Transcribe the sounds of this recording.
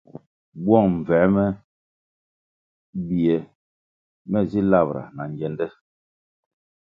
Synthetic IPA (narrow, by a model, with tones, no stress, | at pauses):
bwɔ˦˨ŋm̩˨vɛ˨˦mɛ˦ | bi˨ɛ˨ | mɛ˦zi˦la˦˨bɾa̰˨na˨ŋ˨d͡ʒɛ˨˦ndɛ˦